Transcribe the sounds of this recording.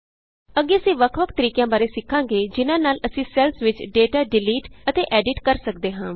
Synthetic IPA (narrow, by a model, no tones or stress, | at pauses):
əɡeːəsĩːʋəkʰʋəkʰt̪əɾiːkjãːbaːɾeːsɪkʰːãːŋɡeːd͡ʒɪnãːnaːləsĩːsɛːlsʋɪt͡ʃɖeːʈaːɖɪliːʈət̪eːʔɛːɖɪʈkəɾsək̚d̪eːɦãː